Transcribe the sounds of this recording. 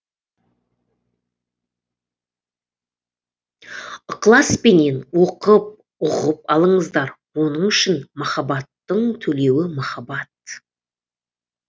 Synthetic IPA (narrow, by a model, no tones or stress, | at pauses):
qlˠɑspe̞ne̞nwo̞qəp̚ | ʊʁəpɑlˠəɴəzd̪ɑɾ | wo̞nəɴʏʃɪnmɑχɑbɑt̪ːəɴt̪ʰɵle̞wɪmɑχɑbɑt̪